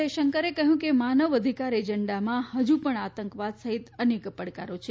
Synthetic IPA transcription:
əjʃəŋkəɾekəɦjũkemanəʋəd̪ʱikaɾed͡ʒəɳɖamãhəd͡ʒupəɳat̪əŋkʋad̪səɦit̪ənekpəɽkaɾot͡ʃʰe

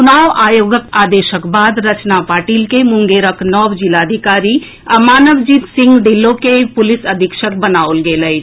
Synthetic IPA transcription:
unaːʋaːjoːɡəkaːd̪eːʃəkbaːd̪ɾɐt͡ʃnapaːʈiːlkemʊ̃ŋɡeːɾəknɔwd͡ʒilaːd̪ʱikaːɾi | ɐmaːnəʋd͡ʒiːt̪sɪ̃ŋɡɖilːõkepʊlɪsəd̪ʱikʃək̚bənaːolɡeːləj

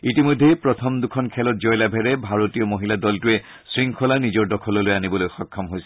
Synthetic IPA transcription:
itimojdʱːejpɹɔtʰɔmdukʰɔnkʰɛlɔt̚zɔjlabʱɛɹɛbʱaɹotijɔmoɦiladɔltʊɛ | sɹiŋkʰɔlanizɔɹdɔkʰɔlɔlojanibɔlojxɔkʰːɔmɦojsɛ̥

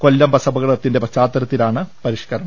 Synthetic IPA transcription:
ko̞lːɐmbɐsɐbɐɣɐɭɐt̪ːinde̞pɐt͡ɕaːt̪ːɐɾɐt̪ːilaːɳɨpɐɾiʂkɐɾɐɳɐm

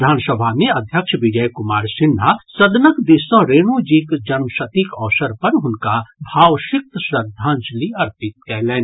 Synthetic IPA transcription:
d̪ʱaːnsəbʱamẽɐd̪ʱjəkʃʋɪd͡ʒəjkʊmaːɾsɪn̤ːasɐd̪nəkd̪isə̃ɾeːñud͡ʒikd͡ʒɐnməʃɐt̪ikɔːsəɾpɐɾɦʊnkabʱaːʋʃɪk̚t̪sɾəd̪ʱãːnd͡ʒliɐɾpɪt̪̚kɛɦlɛːn

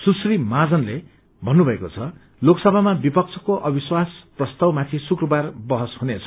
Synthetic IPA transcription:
susrimad͡zʌnle | bʱʌnːubʱʌekot͡sʰʌ | loksʌbʱamabipʌk̚t͡sʰʌkoʔʌbiswasprʌst̪ʌwmat̪ʰĩsukrʌbarbʌɦʌshunet͡sʰʌ̥

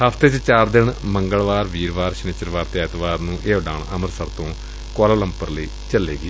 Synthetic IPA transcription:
ɦəpʰt̪et͡ʃt͡ʃaːɾd̪ɪɳməŋɡəɭʋaːɾʋiːɾʋaːɾʃneːt͡ʃəɾʋaːɾt̪eːɛːt̪ʋaːɾnũːʔeːoɖaːɳəməɾsəɾt̪õː | koːlaːləmpəɾləiː | t͡ʃəlḛːɡiː

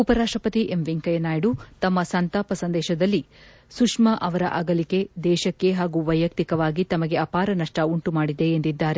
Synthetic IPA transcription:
upɐɾaːʂʈɾɐpɐt̪iʔemʋiŋkɐjɐnaːjiɽut̪ɐmːɐsɐnt̪aːpɐsɐnd̪ɛːʃɐd̪ɐlːi | sukʂmɐʔɐʋɐɾɐ̰ʔɐɡɐlike̞d̪ɛːʃɐkːe̞ɦaːɡuʋɐjːɐk̚t̪ikɐʋaːɡit̪ɐmɐɡe̞ɐpaːɾɐnɐʂʈɐuɳʈumaːɽid̪e̞ːnd̪id̪ːaːɾe

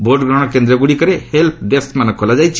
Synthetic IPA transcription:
bʱoʈɡɾɔɽ̃ɔkend̪ɾɔɡuɽikəɾehelp̚ʰɖesʈmanɔkʰːolad͡ʒajt͡ʃʰi̥

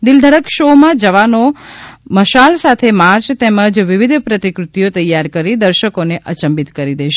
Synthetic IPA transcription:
d̪ɪld̪ʱəɽəkʃomãd͡ʒəʋanoməʃalsat̪ʰemaɾt͡ʃt̪ɛməd͡ʒʋɪʋid̪ʱpɾət̪ikɾut̪ijot̪əjːaɾkəɾid̪əɾʃəkoneʔət͡ʃəmbit̪kəɾid̪eʃe

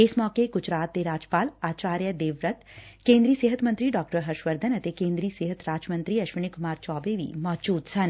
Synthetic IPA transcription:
ɪsmɔːkeɡʊt͡ʃʰɾaːt̪̚d̪eɾaːd͡ʒpaːlaːt͡ʃaːɾjəd̪eːʋɾət̪kẽːnd̪ɾiːseɦət̪mənt̪ɾiɖɔːkʈəɾɦɐɾʃʋəɾd̪ʱənɐt̪ekẽːnd̪ɾiːseːɦət̪ɾaːd͡ʒmə̃nt̪ɾiːɐʃʋənɪkʊmaːɾt͡ʃɔːbeʋḭːmɔːd͡ʒuːd̪sɐn

